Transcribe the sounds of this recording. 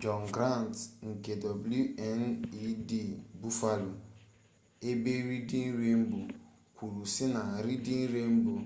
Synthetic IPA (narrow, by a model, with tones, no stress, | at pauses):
d͡ʒɔ˨ŋ˨ɡɾa˦˨n˨tŋ̩˨ke˨dɔ˨blu˦ɛ˦ni˦di˦˨bu˦fa˦lo˨ | e˦be˦ɾi˦di˦n̩˦ɾe˦m̩˦bu˨ | kʷu˨ɾu˨si˦na˨ɾi˦di˦n̩˦ɾe˦m̩˦bu˨